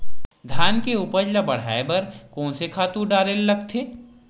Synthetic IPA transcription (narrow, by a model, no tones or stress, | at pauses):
d̪ʱjaːnkeuːpəd͡ʒlabɐɽ̤a̰ːebɐɾkɔ̃ːnsekʰaːt̪ũɖaːɾeːlːɐɡt̪ʰeː